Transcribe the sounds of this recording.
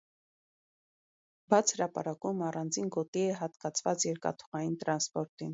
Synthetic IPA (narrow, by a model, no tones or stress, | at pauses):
bɑt͡sʰhəɾɑpɑ̰ɾɑkumɑrɑnd͡zinɡɔt̪iɛɦɑt̪kɑt͡sʰvɑt͡sjɛɾkɑ̰t̪ʰu̥ʁɑjint̪ɾɑnspɔɾt̪in